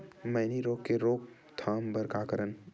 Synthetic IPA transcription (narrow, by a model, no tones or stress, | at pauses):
mɐːniɾoːkːeɾoːk̚ | t̪ʰaːmbəɾkaːkəɾən